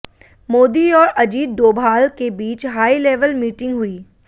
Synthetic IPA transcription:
moːd̪iɔːɾɐd͡ʒiːd̪̚d̪oːbʱaːlkebiːt͡ʃɦaːileːʋəlmiːʈɪ̃ŋɡɦʊiː

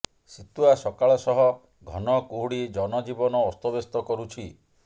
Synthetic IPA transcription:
sit̪uasɔkaɭɔsɔɦɔ | ɡʱɔ̰nɔkuɦuɽid͡ʒɔnɔd͡ʒibɔnɔːst̪ɔbest̪ɔkɔɾut͡ʃʰi

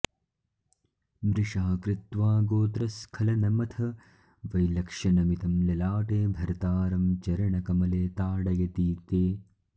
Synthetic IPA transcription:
mɾɪʂaːkɾɪt̪ʋaːɡoːt̪ɾɐskʰɐlɐnɐmɐt̪ʰɐ | ʋɐjlɐkʂɐnɐmit̪ɐmlɐlaːʈeːbʱɐɾt̪aːɾɐmt͡ʃɐɾɐɳɐkɐmɐleːt̪aːɽɐɡɐt̪iːt̪eː

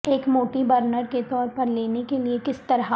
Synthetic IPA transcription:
eːkmoːʈibɐɾnəɾket̪ɔːɾpɐɾleːnekeliekɪst̪ɐɾɦa

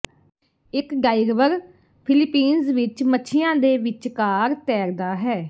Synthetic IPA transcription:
ɪkɡaːɪɾʋəɾ | pʰɪlɪpiːnzʋɪt͡ʃmətːʃʰɪjãːd̪eːʋɪt͡ʃkaːɾt̪ɛːɾd̪aːɦɛː

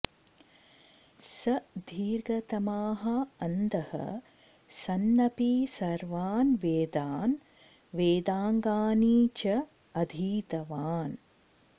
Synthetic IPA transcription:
sɐd̪ʱiːɾɡɐt̪ɐmaːɦɐɐnd̪ɐhɐ̰ | sɐnːɐpiːsɐɾʋaːnʋeːd̪aːn | ʋeːd̪aːŋɡaːniːt͡ʃɐ | ɐd̪ʱiːt̪ɐʋaːn

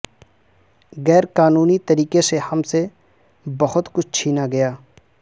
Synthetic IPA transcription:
ɣɛːɾkaːnuːnit̪ɐɾiːkesehɐmse | bɐhʊt̪kʊt͡ʃʰt͡ʃʰiːnaɡɐjaː

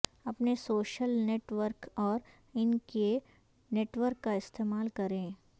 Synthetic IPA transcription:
ɐpnesoːʃəlneːʈʋəɾkɔːɾ | ɪnke | neːʈʋəɾkːaɪst̪eːmaːlkɐɾẽː

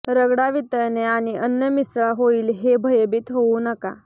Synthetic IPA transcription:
ɾəɡɽaʋit̪əɾneaɽ̃iʔənjəmisɭaɦoiːlɦebʱəjəbiːt̪ɦounəka̰

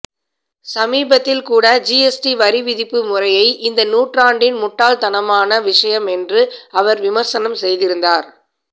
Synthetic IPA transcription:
sɐmiːbɐt̪ːɪlkuːɽɐd͡ʒiɛsʈiʋɐɾɪʋɪðɪpːɯmʊrɐjɐɪʔɪnd̪ɐnuːʈraːɳɖɪnmʊʈːaːlt̪ɐnɐmaːnɐʋɪʂɐjɐmɛndrɯɐʋɐɾʋɪmɐɾsɐnɐmsɛjðɪɾɯnd̪aːɾ

